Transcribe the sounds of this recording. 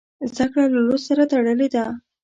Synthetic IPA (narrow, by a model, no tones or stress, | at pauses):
zd̪akɽalalossaɾat̪aɽəled̪a